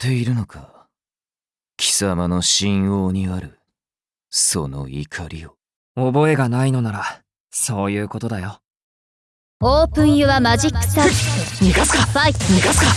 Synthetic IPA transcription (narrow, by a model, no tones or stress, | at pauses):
t̪e̞iɾɯ̟no̞kʰa | kʲi̥samano̞ɕĩɰ̃o̞ːɲ̟iaɾɯ̟ | so̞̰no̞̰ḭkʰaɾʲio | obo̞e̞ɡanaino̞naɾa | so̞ːjɯ̟ːko̞t̪o̞d̪ajo̞ | oːpɯ̟̃ɰ̃jɯβamaʑikːɯ̥t̪aiɡat͡skaiiɡat͡ska